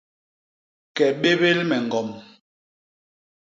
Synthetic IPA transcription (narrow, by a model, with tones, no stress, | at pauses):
kɛ˨ɓe˦βe˦lmɛ˨ŋ˨ɡɔ˨m